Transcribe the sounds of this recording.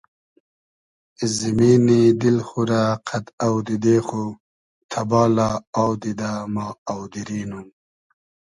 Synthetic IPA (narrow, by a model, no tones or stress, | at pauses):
zimiːnid̪ilxuɾaqʰat̪awd̪id̪eːxu | t̪ʰabɑːlaawd̪id̪amɑːawd̪iɾiːnum